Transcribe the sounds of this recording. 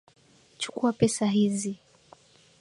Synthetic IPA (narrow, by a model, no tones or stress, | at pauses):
t͡ʃu̥kuapɛsaɦizi